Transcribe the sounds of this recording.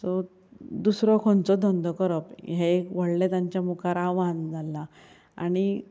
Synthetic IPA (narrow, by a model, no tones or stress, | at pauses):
sɔ | d̪usɾɔkʰɔnt͡sɔd̪ʱɔnd̪ʱɔkəɾəpɦekʋəɽlet̪aɲt͡ɕjamukaɾaʋand͡zʱalːa | a̰ɽ̃i